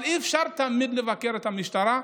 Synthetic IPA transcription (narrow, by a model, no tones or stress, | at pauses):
lifʃaɾt̪amid̪levakeɾet̪hamiʃt̪aɾa